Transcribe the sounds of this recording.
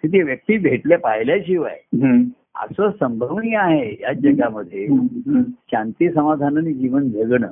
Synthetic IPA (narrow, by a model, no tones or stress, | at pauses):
k̪it̪eʋjək̚t̪iːbʱeʈljapajljaɕiʋa̰j | a̰səsəmbʱəʋniːaɦejad͡ʑəɡjaməd̪ʱːje | ɕãnt̪iːsəmad̪ʱanənid͡ʑiʋənd͡zʱəɡɳə